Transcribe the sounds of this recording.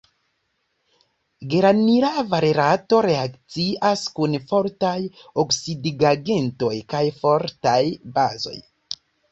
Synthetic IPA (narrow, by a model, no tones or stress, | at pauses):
ɡe̞ɾaniɾavaɾeɾato̞ɾe̞akt͡siaskunfo̞ɾtajoksidiɡaɡe̞nto̞jkajfo̞ɾtajbazo̞̰j